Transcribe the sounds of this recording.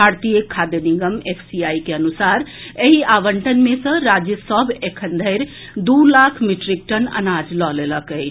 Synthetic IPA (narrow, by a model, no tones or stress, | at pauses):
aɾt̪ijəkʰːad̪eniɡəmepʰsiaikeənusaɾeɦiʔaʋəɳʈənmesə̃ɾad͡ʒjəsəbʱekʰənd̪ʱəɪɾ | d̪ulakʰmiʈɾik̚ʈənə̰nad͡ʒlɔleləkəɪt͡ʃʰ